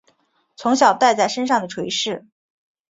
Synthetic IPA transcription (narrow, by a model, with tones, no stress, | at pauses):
t͡sʰʊ˧˥ŋɕjɑ˨˩ʊt̪a˥˧ɪt͡sa˥˩ɪʂə˥nʂɑ˥˩ŋd̪ə˩ʈ͡ʂʰwe˧˥ɪʂɻ̩˥˩